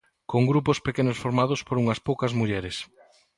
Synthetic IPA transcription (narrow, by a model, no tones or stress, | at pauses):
koŋɡɾupospekenʊsfoɾmaðʊspoɾuŋɐspowkɐzmuʎɛɾes